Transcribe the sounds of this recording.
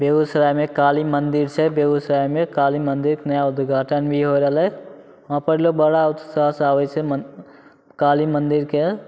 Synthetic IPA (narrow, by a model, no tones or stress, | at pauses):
bjeusɾajmekalimənd̪iɾt͡ʃʰɛbjeɡusɾajmekalimənd̪iɾkenəjaud̪ɡʱaʈənbʱiɦoɾəɦlə | ɔ̃pəɾilobəɽaut̪sasaʋət͡ʃʰɛ | kalimənd̪iɾke